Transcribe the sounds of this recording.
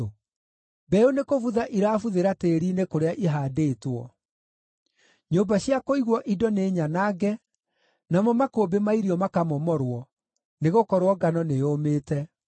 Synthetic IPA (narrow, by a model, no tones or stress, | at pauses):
bɛonekovuðaʔiɾaːfuðeɾateɾiːnekoɾeaʔiɦaːdeːtwɔ | ɲoːmbaɕjakoiɣwɔʔidɔneɲanaːɡɛ | namɔmakoːbemaiɾiɔmakamɔmɔɾwɔ | neɣokɔɾwɔɡanɔnejomeːtɛ